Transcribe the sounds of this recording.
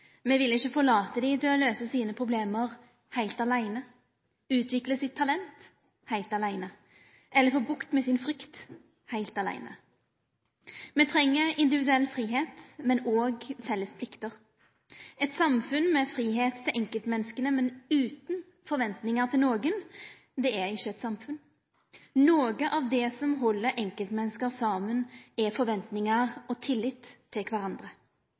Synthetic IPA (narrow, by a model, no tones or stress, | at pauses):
mɛːʋɪlːəɪçːəfɔɭɑːt̪əd̪it̪ʰɪlɔløːsəsiːnəpʰʁʊbleːməʁ | hæɪlt̪ɑlæɪnə | ʉːt̪ʰʋɪkləsɪt̪ʰːɑlɛnt̪ | hæɪlt̪ɑlæɪnə | ʔɛlːəfoːbʊkt̪mɛsɪnfʁʏkt̪ | hæɪlt̪ɑlæ̰ɪnə̰ | mɛːt̪ʰʁɛŋːəɪnd̪ɪʋɪd̪ʉɛlːfʁiːɦeːt̪mɛnoːɡfɛlːəspʰlɪkt̪əʁ | ɛt̪sɑmfʉnmɛfɾiːɦeːt̪ʰːɪlʔɛŋkəlt̪mɛnːəskənəmɛnʉːt̪n̩ | fɔɾʋɛnt̪nɪŋəʁt̪ʰɪlnoːɡən | d̪ɛæʁɪçːəɛt̪sɑmfʉn | noːɡəʔɑʋd̪ɛsɔmɦɔlːəɾʔɛŋkəlt̪mɛnːəskəʁsɑːmənɛfɔɾʋɛnt̪nɪŋɑʁɔt̪ʰɪlːɪt̪ʰːɪlkʰʋæɾɑnd̪ʁə